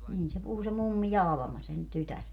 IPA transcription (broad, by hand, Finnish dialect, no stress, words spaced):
niːn se puhu se mumːi jɑ ɑlɑ̆mɑ sen tytær